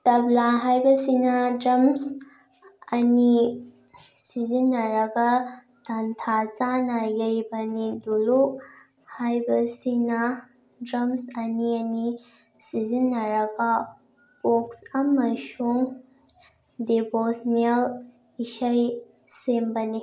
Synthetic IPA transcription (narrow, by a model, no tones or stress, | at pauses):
tɐblaɦajbɐsinɐdɾɐms | ɐni | sizinːɐɾɐɡɐ | tantʰat͡ʃanajɐjbɐniduluk | hajbɐsinɐ | dɾɐmsɐniɐni | sizinːɐɾɐɡɐ | poksɐmɐsuŋ | debosnel | isɐj | sembɐni